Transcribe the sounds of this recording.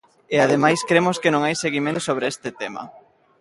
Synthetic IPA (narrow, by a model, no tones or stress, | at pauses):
eað̞emajskɾemoskɪnõŋajseɣimẽnt̪osoβ̞ɾeest̪ɪt̪emɐ̰